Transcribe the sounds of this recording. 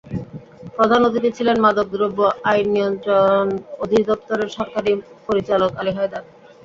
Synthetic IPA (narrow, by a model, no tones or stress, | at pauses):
pɾod̪ʱanot̪it̪et͡ɕʰilenmad̪ok̚d̪ɾubːoʔajnːiont̪ɾonod̪ʱid̪ɔpt̪oɾeɾʃɔɾkaɾi | poɾit͡ɕalokaliɦaed̪aɾ